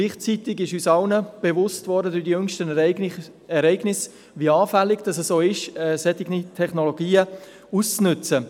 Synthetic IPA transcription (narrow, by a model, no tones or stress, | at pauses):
ɡliːχt͡sitɪɡɪʃyːsɑlnəb̥evʊstvɔɾdədʊdijʏŋʃtə | ɛɾɛɪɡnɪs | viɑːfælːɪɡd̥ɑsɛsːoːɪʃɛsɛtɪɡnitʰɛχnoloɡiːə | ust͡snʏt͡sə